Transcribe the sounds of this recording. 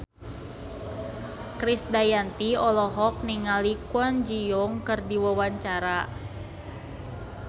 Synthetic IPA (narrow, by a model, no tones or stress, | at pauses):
kɾisdajant̪iɔlɔɦɔk̚niŋalikwand͡ʒijɔŋkɨrdiwawaɲt͡ʃaɾa